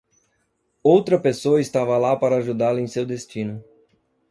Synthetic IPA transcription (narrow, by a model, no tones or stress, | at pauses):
owt̪ɾɐpesoɐɪst̪avɐlapaɾɐːʒud̪alɐẽj̃sewd̪est͡ʃĩnʊ